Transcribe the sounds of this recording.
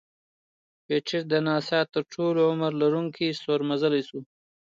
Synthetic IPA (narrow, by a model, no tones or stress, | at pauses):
peʈ͡ʂʰɪɾd̪ənɑːsɑːt̪ːəɾʈʰoloʊməɾlaɾuŋkʰisoɾmazəlajsu